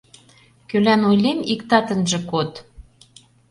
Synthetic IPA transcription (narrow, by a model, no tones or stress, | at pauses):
kølænojlemikt̪ɑt̪ə̆nʒĕkot̪